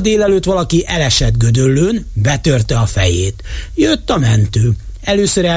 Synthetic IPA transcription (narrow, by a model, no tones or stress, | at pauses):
d̪eːlɛløːt̪ʋɒlɒkiʔɛlɛʃɛd̪ɡød̪ølːøːnbɛt̪ørt̪ɛɒfɛ̰jeːt̪jøt̪ːɒmɛnt̪øː | ɛløːsøɾɛ